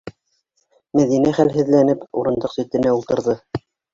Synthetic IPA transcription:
mæðinæχælɦɘ̆ðlænɘpṵɾɤ̆nd̪ɤqsɵ̆t̪ɘ̆næulˠt̪ɤ̆ɾðɤ

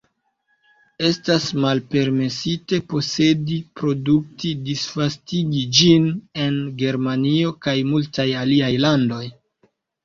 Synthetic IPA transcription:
e̞stasmalpe̞ɾme̞site̞po̞se̞dipɾo̞duk̚tidisfastiɡid͡ʒine̞nɡe̞ɾmanio̞kajmultajaliajlando̞j

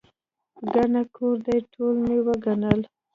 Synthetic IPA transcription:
ɡaɳakʰoɾd̪ajʈʰolmewəɡanəl

